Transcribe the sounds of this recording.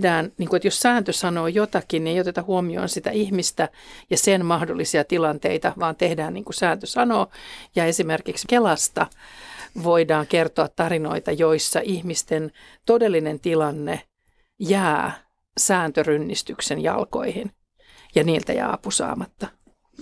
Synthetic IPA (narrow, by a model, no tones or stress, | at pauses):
dæːnniːŋkuet̪jossæːnt̪øsɑnoːjot̪ɑkinnieijot̪et̪ɑhuomio̰ːnsit̪æ̰ihmist̪æjɑsenmɑhdolːisiɑt̪ilɑnt̪ḛit̪ɑʋɑːnt̪ehdæːnniːŋkusæːnt̪øsɑnoːjæːesimerkikskelɑst̪ɑ | ʋoidɑːŋkert̪oɑt̪tɑrino̰it̪ɑjoisːɑʔihmist̪en | t̪odelːinent̪ilɑnːe | jæː | sæːnt̪ørynːist̪yksenjɑ̰lko̰ihin | jɑniːlt̪æ̰jæ̰ːɑpusɑ̰ːmɑt̪ːɑ